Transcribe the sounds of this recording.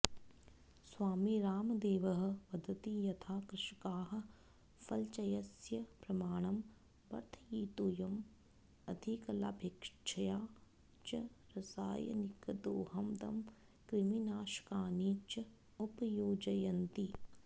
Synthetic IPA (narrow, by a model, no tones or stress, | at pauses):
swaːmiɾaːmd̪eːʋɐɦɐ̆pɐd̪ʱɐt̪ijɐt̪ʰaːkɾɪʃkaːɦɐ̆ | fɐlt͡ʃɐjɐsjɐpɾɐmaːɳ̃ɐm | bɐ̰ɾt̪ʰɐjiːt̪ujɐm | ɐd̪ʱikɐla̰ːbʱekʂt͡ʃʰɐjaː | t͡ʃɐɾɐsa̰ːjɐ̰nikɐd̪oːɦɐmd̪ɐ̰m | kɾiminaːʃkaːniːt͡ʃɐ | upjoːd͡ʒɐjɐnt̪i